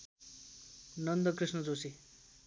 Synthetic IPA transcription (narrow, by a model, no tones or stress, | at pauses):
nʌnd̪ʌkrisnʌd͡zosi